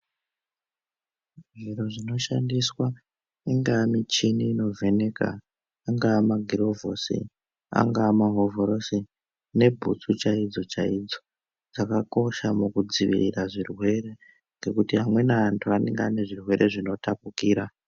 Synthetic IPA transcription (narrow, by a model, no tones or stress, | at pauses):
ʐiɾo̞ʐino̞ʃandiswa | iŋɡaːmit͡ʃiniːno̞vʱe̞ne̞ka̰ː | ŋɡaːmaɡʱiro̞vo̞sḭ | a̰ŋɡaːmaɦo̞vo̞ɾo̞si | ne̞bʱut͡sut͡ʃaid͡zo̞t͡ʃaid͡zo̞ | d͡zakako̞ʃamukud͡ziʋḭriraʐirwe̞re̞ | ŋɡe̞kutiɦamwe̞naːntʰuanḛŋɡeane̞ʐirwe̞ɾe̞ʐino̞tʰapukiːɾa